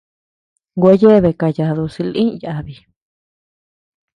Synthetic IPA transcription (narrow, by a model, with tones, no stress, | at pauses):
ɡʷa˧˦je˦βe˧˨ka˧ja˨˧ðu˧si˧lĩ˦˨jaa˧˨βi˨